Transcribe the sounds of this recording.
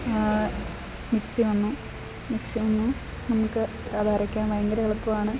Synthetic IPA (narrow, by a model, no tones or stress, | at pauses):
miksiʋɐnːu | miksiʋɐnːu | nɐmukːɨ | ɐðaːrikʲːaːnʋɐjɐŋɡɐɾɐɣɐɭɐpːumaːɳɨ